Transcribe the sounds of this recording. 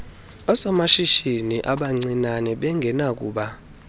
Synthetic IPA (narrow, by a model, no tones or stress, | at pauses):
ɔsɔmaʃiʃiniʔaɓaŋ͡ǀinanɛɓɛŋɡʱɛnak̬ʼuːɓa